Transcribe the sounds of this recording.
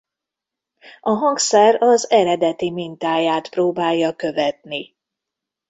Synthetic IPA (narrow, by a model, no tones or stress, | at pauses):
ɒɦɒŋksɛrɒzɛɾɛd̪ɛt̪imint̪aːjaːt̪proːbaːjːɒkø̞vɛt̪ni